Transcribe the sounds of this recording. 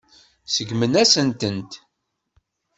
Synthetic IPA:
səɡmənæsənt̪ənt̪

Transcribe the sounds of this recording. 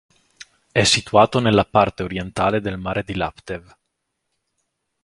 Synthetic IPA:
ɛsːit̪uaːt̪onelːapart̪eoɾjent̪aːled̪elmaːɾed̪ila̰pt̪ev

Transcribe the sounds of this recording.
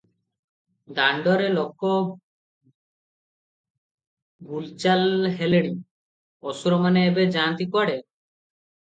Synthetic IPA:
d̪aɳɖɔɾelɔkɔ | bult͡ʃalɦeleɽ̃i | ɔsuɾɔmaneːbed͡ʒaːnt̪ikɔɽe

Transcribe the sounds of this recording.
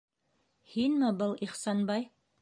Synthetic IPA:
hinmɘbɤlˠiχsɑnbɑj

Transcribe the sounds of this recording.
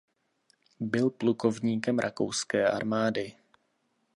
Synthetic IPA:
bɪlpluko̞vɲiːkɛmɾʔako̞̰wskɛːʔa̰ɾmaːdɪ

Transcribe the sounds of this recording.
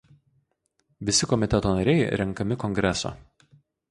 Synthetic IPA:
ʋʲɪsʲɪkɔmʲɪt̪ʲɛt̪oːnɐɾʲɛɪɾʲɛŋˑkɐmʲɪkɔŋɡɾʲɛso̰ː

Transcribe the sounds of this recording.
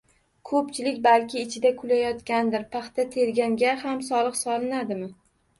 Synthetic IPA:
kʰɵpt͡ʃʰɪlɪkʲbalkʲʰɪːt͡ʃʰɪd̪akʰʊlajɒt̪kʲand̪ɪɾpʰaχt̪at̪ʰe̞ɾɡʲaŋɡʲahamsɒlˠɨqsɒlˠɪnad̪ɪmɪ

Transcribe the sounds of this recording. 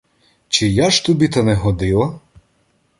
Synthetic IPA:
t͡ʃɪjaʃt̪ɔbʲit̪ɐnɛɦɔd̪ɪlˠɐ

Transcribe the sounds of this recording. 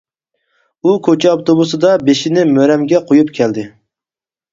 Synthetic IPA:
ukʰʲot͡ʃʰɛɑpt̪obusɨd̪ɑbeʃɪnɪmøɾɛmɡʲɛqʰojupkʲʰɛld̪ɪ

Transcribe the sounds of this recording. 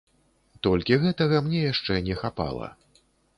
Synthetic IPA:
t̪ɔlʲkʲiɣɛt̪ɐɣɐmnʲɛjaʂt͡ʂɛnʲɛxapa̰lˠɐ̰

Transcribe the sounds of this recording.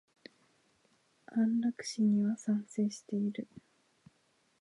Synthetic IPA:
hãnɾakɯ̟̥ɕiɲ̟iβasãñse̞ːɕi̥t̪e̞iɾɯ̟

